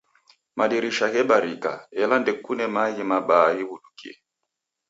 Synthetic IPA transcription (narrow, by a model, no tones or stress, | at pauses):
maɗiɾiʃaɣɛɓaɾika̰ɛlandɛkunɛmaɣimaɓaːɣibuɗukiɛ̰